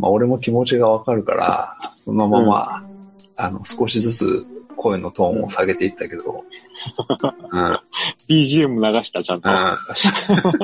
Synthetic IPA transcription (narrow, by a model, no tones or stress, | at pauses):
ma̰o̞ɾe̞mo̞kʲimo̞t͡ɕiɡaβakaɾɯ̟ka̰ɾa̰so̞nomama̰ | ano̞̰sɨ̥ko̞ɕizɨt͡sɨ̰kʰo̞eno̞t̪õ̞ːo̞̰saɡe̞t̪e̞it̪ːake̞d̪̥o̞̰ | ɯ̟̃ːb̥ʲiːʑiɯmɯ̟naɡaɕi̥t̪at͡ɕãnt̪oɯ̃aɕi̥a